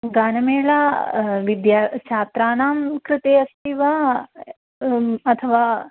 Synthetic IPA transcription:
ɡaːnɐmeːɭaʋid̪jaːt͡ʃʰaːt̪ɾaːnaːmkɾɪt̪eːɐst̪iʋa | ɐt̪ʰɐʋaː

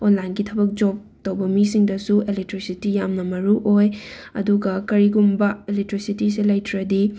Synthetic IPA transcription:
onlajnɡitʰɐbɐk̚d͡ʒob̚ | towbɐmisiŋdɐsuelek̚tɾisitijamnɐmɐɾuʔoj | ɐ̰duɡɐkɐɾiɡumbɐelek̚tɾisitis̬ilɐjtʰɾɐdi

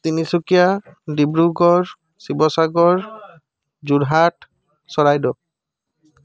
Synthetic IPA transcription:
t̪inisukijadibɹuɡɔɹ | sibɔsaɡɔɹ | zuɹɦat | sɔɹajdɔ

